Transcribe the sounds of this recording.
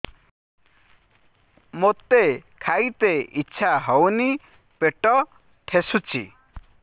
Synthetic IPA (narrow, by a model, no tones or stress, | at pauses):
mot̪ekʰajt̪eitːʃʰaɦɔwni | peʈɔ | ʈʰesut͡ʃʰḭ